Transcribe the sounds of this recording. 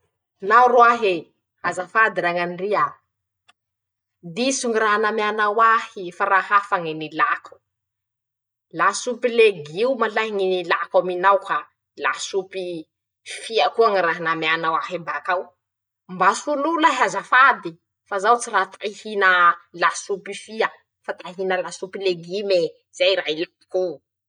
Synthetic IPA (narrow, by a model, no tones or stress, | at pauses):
lauruaɦe | azafad̪iɾaŋaniria | d̪isuŋiraɦnamjanawahifaɾahafaŋinilakʰu̥ | lasupileɡiumalaɦiŋinilakaminawka | la̰supi | fiakuaŋiɾaɦanameanawaɦibakaw | mbasululaɦazafad̪i | fazawt͡sirat̪ʰaihinəlasupifiə | fat̪aɦinəlasupileɡime | z̥ajɾaɦilapi̥ku